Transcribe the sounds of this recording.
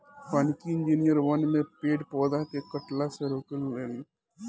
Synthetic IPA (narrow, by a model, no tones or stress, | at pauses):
pankiɪ̃nd͡ʒiːnijəɾʋənmẽpeːʈpɔːd̪akekəʈlaseɾoːkəlɾeːli